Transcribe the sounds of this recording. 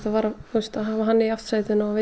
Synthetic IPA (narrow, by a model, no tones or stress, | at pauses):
t̪avaːɾaθust̪aɦavaɦanːɪiaft̪saːjt̪ʏnaave